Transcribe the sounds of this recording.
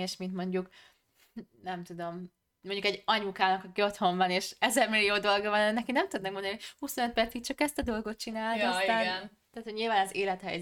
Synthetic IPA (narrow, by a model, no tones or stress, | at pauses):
eːʃmint̪mo̞ɲɟuk | nɛmt̪ud̪o̞m | moɲɟukɛɟːɒɲukaːnɒkɒkiot̪ho̞ɱvɒneːʃɛzɛrmilːioːd̪o̞lɡɒvɒnnɛkinɛmt̪ud̪nɛkmond̪niohuso̞nøt̪̚pɛrt̪sit̪t͡ʃɒkɛst̪ɒd̪o̞lɡo̞t̪̚t͡ʃinaːlɒsaːn | t̪aːt̪oɟɲiːlvaːnɒzeːlɛt̪hɛ̰j